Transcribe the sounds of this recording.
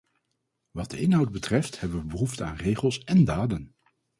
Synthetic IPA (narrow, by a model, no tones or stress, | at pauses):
ʋɑt̚dəɪnɦʌwd̚bətrɛfthɛbəʋəbəɦuftəa̰ːnrejχəlˠsɛndaːdən